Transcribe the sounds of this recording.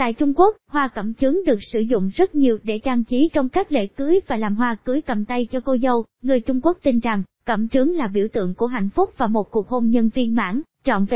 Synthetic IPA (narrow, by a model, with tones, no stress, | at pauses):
t̪a̰ː˧˨jt͡ɕʊ˧ŋ͡mku˦˥ək̚hwaː˧kə̰˧˩mt͡ɕɨ˨˦əŋɗɨ˨˩ək̚sɨ˧˩zʊ̰˧˨ŋ͡mzə˦˥t̚ɲi˨˩əwɗe˧˩t͡ɕaː˧ŋt͡ɕi˨˦t͡ɕɔ˧wŋ͡mkaː˦˥k̚lḛ˧˥kɨ˨˦jvaː˨˩laː˨˩mɦwaː˧kɨ˨˦əjkə˨˩mt̪ə˧jt͡ɕɔ˧ko˧zə˧wŋɨ˨˩əjt͡ɕʊ˧ŋ͡mku˦˥ək̚t̪i˧nza˨˩ŋ | kə̰˧˩mt͡ɕɨ˨˦ŋlaː˨˩ɓi˧˩əwt̪ɨ̰˧˨əŋku˧˩əɦa̰˧˨jŋ̟fʊ˦˥k͡p̚vaː˨˩mo˨˩t̚ku˨˩ək̚ho˧mɲə˧nvi˧ənma̰ː˧˥ŋt͡ɕɔ̰˧˨nve˨˩